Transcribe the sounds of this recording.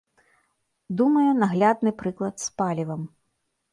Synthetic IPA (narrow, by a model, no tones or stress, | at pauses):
d̪umɐjɛnaɣlʲad̪̚nɨpɾɨklˠɐt̪spalʲivɐm